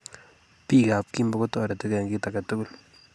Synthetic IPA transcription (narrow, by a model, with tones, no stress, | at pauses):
pi˦ka˨p̚ki˦mba˦ko˦tɔ˨ɾa˨ti˦kɛ˨ŋɡi˦ta˨ka˨tu˦ɡu˦l